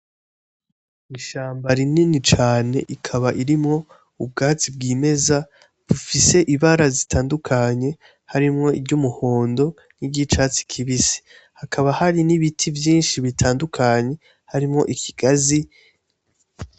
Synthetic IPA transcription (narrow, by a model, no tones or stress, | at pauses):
iʃaːmbaɾininit͡ʃaːne̞̰ʔikʰaβaʔiɾimŋo̞ | ub̚ɡaːt͡sib̚ɡiːme̞za | βufise̞ʔiβaɾazitʰaːndukʰaɲe̞ | haɾimŋo̞ibɟumuho̞ːndo̞ | niɟit͡ʃaːt͡si̥kʰiβisi̥ | hakʰaβahaɾiniβitʰivjiːnʃiβitʰaːndukʰaɲe̞ | haɾimŋo̞̰ʔikʰi̥ɡ̥azi